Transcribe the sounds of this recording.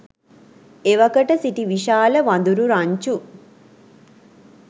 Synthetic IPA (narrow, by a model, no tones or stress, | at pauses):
eʋɐkəʈəsiʈiʋiʃaːləʋɐnd̪uɾuɾaɲt͡ʃu